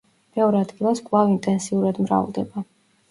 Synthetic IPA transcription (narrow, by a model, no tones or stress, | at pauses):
mɛɔɾɛad̪ɡilˠaskʼvˠavint̪ʼɛnsiuɾad̪mɾa̰vlˠd̪ɛba